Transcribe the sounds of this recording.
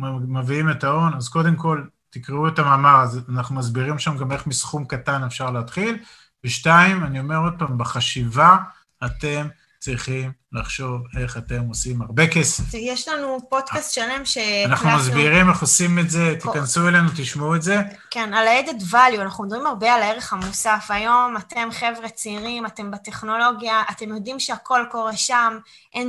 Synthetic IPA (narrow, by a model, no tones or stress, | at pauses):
maviimetao̞nazko̞d̪e̞mko̞l | t̪ikʁeuetamaːmaʁazanaχnumazbiʁimʃamɡame̞χmisχumkatanefʃaʁleːt̪χil | beʃtaimanio̞me̞ʁo̞d̪̚paːmbeχaʃiva | at̪e̞m | t͡sʁiχimlaχʃo̞ve̞χat̪e̞mosimaʁbe̞ke̞sefjeʃlanupo̞d̪kast̪ʃale̞mʃeanaχnumazbiʁimeχosimetze̞t̪ikansuelenut̪iʃmauetze̞ | kenalaed̪ed̪valjuanaχnumed̪abʁimaʁbealaeʁeχamusafajo̞mat̪e̞mχe̞vʁet͡seiʁimatembat̪e̞χno̞lo̞ɡjaʔːt̪e̞mjo̞dimʃeako̞lko̞ʁe̞ʃam | ʔen